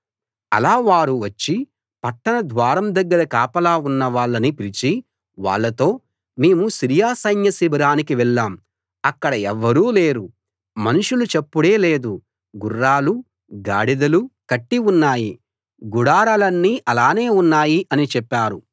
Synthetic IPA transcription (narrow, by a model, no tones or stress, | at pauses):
ɐ̰laːʋaːɾuʋɐt͡ʃːi | pɐʈːɐnɐd̪ʋaːɾɐmd̪ɐɡːɐɾɐkaːpɐlaːunːɐʋaːɭːɐnipiɾit͡ʃi | ʋa̰ːɭːɐt̪o̞ː | meːmusiɾijaːsɐjnjɐsibɐɾaːnikiʋɛɭːaːm | ɐkːɐɽɐɛʋːɐɾuːleːɾu | mɐnuʂulut͡ʃepːuɽe̞ːle̞ːd̪u | ɡurːaːlu | ɡa̰ːɽid̪ɐlukɐʈːiunːaːji | ɡuɽaːɾɐlɐnːiːʔɐlaːne̞ːunːaːjiʔɐnit͡ʃɛpːaːɾu